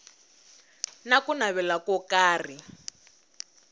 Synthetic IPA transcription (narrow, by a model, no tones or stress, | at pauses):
nakunaβɛlakɔkaːri